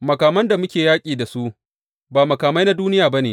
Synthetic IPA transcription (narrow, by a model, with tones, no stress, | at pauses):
mɐ˨kaː˨mɐ˦nda˨mʊ˦kʲeː˨jaː˦kʲʼiː˨da˨su˦ʔ | baː˨mɐ˨kaː˨ma˦jna˦duː˦nɪ˦jaː˨ba˦neː˨